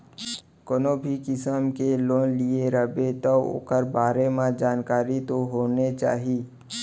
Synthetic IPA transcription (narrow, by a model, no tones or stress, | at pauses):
konoːbʱikɪsəmkeloːnlieɾəbet̪əo̰ːkəɾbaːɾemãd͡ʒaːnkaːɾit̪oɦoːnet͡ʃa̰ːɦiː